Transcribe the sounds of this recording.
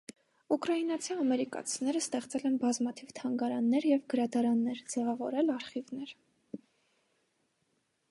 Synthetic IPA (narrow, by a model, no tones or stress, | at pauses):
ukɾɑinɑt͡sʰiɑmɛɾikɑ̰t͡sʰinɛɾəst̪ɛχt͡sɛlɛnbɑzmɑt̪ʰivt̪ʰɑŋɡɑɾɑnːɛɾjɛvɡəɾɑd̪ɑɾɑnːɛɾd͡zɛvɑvɔɾɛlɑɾχivnɛɾ